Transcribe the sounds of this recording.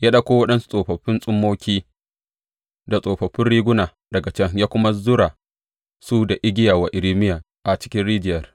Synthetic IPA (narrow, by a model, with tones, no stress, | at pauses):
jaː˦ɗɐ˦kʷoː˦wɐ˦ɗɐ˦nsu̥˦sʼoː˨ɸɐ˨ɸːɪ˦nsʼʊ˦mːoː˦kʲiː˦ | da˨sʼoː˨ɸɐ˨ɸɪ˦nɽiː˦ɡʷʊ˦naː˨ | dɐ˨ɡa˨t͡ʃɛ˦ŋjaː˦kʷʊ˦ma˦zʊ˦ɾaː˨ | su˦da˨ʔɪ˦ɡʲɪ˦jaː˨wa˨ʔɪ˨ɾiː˦mɪ˦jaː˨ | ʔa˨t͡ʃɪ̥˦kʲɪ˦nɽiː˦d͡ʒɪ˦jɐ˨r